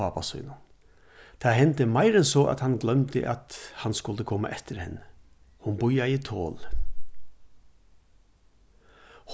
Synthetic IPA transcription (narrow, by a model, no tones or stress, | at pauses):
ɑːpasʊ̰ʏnʊn | t̪ʰaːɦɛnt̪əmaɪɾɛnsɔːʔa̰t̪hanɡlœmt̪ə̰ʔat̪hanskʊlt̪əkʰɔːma̰ʔɛt̪əɾhɛ̰nːə | hʊnbʊjait̪ʰo̰ːl | h